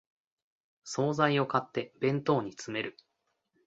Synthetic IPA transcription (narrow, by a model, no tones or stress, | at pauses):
so̞ːzaio̞kat̪ːe̞bẽ̞nt̪o̞ːɲ̟it͡sɨme̞ɾɯ̟